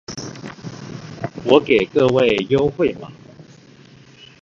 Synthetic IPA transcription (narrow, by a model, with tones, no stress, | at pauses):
wɔ˨˥ke˨˩ɪkɤ˥˧we˥˨ɪjo˦ʊxwe˥˨ɪma˨